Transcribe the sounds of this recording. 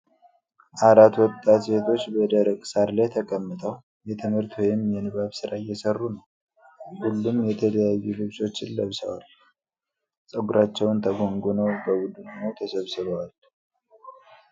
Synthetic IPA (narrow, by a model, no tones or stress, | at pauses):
ʔaɾat̪wɔt̪ʼːat̪be̞t̪ʰo̞t͡ʃːbəd̪əɾəkʼsaɾlajt̪ʰəkʼəmːɨt̪ʼəw | jɛt̪ʰɨmhɨɾt̪wɔjɪmjɛnɨβaβsɨɾajɛsərːunəw | hulːumjɛt̪ʰələjajːulɨβt͡ʃʼo̞t͡ʃːɪlːəβsə̰wa̰l | sʼəɡuɾat͡ʃːɛwnt̪ʰəɡo̞ŋɡunəwbəɡud̪unnəwt̪ʰəsəβsɨβəwal